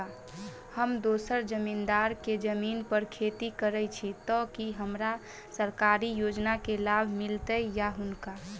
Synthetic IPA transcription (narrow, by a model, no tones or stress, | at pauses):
həmd̪oːsəɾd͡ʒəmind̪aːɾked͡ʒəmiːnpəɾkʰet̪ikəɾət͡ʃʰit̪ɔkiɦəmɾa | səɾkaːɾijod͡ʒnakelabʱmɪlt̪əjjaɦʊnka